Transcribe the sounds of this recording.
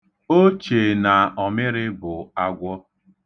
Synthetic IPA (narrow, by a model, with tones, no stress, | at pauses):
o˦t͡ʃe˨na˨ɔ˨mɪ˦ɾɪ˦bʊ˨a˦ɡʷɔ˦